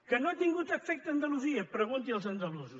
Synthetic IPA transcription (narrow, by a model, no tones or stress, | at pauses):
kɐnõat̪iŋɡut̪ɐfɛk̚t̪ɐnd̪ɐlˠuziɐpɾɐɣõnt̪iɐlˠzɐnd̪ɐlˠuzus